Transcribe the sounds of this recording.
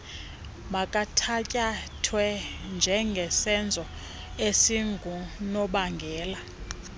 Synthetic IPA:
makʼatʰacʼatʰwɛnd͡ʒʱɛŋɡʱɛsɛnd͡zʱɔ | esiŋɡʱunɔɓaŋɡʱɛːla

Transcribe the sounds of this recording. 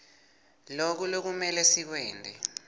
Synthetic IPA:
lok̬ulok̬umɛlɛsik̬wɛːndʱɛ

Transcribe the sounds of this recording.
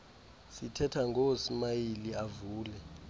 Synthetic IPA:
sitʰɛtʰaŋɡosimajiliavuːlɛ

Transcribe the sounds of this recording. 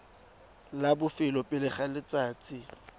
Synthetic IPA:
labʊfɪlɔpʼɪlɪχalɪt͡saːt͡sʼɪ

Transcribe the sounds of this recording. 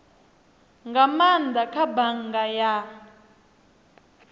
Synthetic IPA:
ŋɡamand̪akʰabaŋɡaja

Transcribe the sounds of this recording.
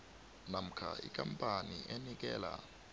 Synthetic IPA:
nam̩kʰa̰ikʼampʼaniʔenik̬ɛːla

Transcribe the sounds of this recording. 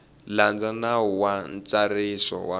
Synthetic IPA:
land͡zanauwant͡sarisɔ̰wa

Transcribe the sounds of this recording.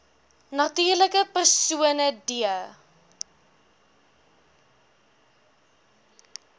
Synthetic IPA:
nɐtyːrləkəpərsuənədiə

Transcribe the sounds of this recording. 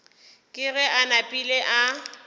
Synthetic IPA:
kʼɪɣɛʔanapʼileʔa

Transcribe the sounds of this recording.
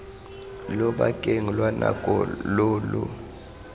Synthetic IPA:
lɔɓakʼeŋilwanakʼɔloːlṵ

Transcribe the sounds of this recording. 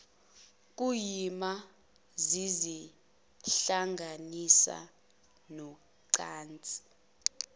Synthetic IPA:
k̬ʼujima | zizi | ɬaŋɡʱanisa̰ | nɔ | ǀaːnt͡sʼi̥

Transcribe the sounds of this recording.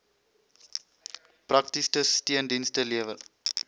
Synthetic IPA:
prɐk̚tistəstiəndinstəliəvəl

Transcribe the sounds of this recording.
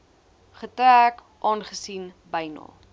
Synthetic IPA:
χətɾæk | ʔɑːnχəsinbəjnɑ̰ː

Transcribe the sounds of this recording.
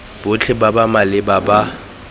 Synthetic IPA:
b̥ʊt͡ɬʰɪbabamalɪbaba

